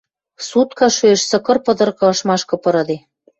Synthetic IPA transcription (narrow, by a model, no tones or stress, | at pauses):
sut̪kɑʃyeʃsɤ̆kɤ̆rpɤ̆d̪ɤ̆rkɤ̆ɤʃmɑʃkɤ̆pɤ̆ɾɤ̆d̪e